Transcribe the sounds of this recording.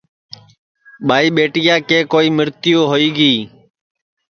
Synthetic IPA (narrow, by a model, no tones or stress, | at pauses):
ɓaːiːɓeːʈɪjãːkẽːkoːiːmɪɾt̪ɪjoːɦoːiːɡiː